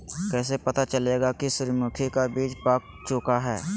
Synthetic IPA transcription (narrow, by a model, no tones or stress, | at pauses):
kɛːs̬epɐt̪at͡ʃɐleːɡakisʊɾmʊkʰekabiːd͡ʒpaːk̚ | t͡ʃʊkaɦɛ̰ː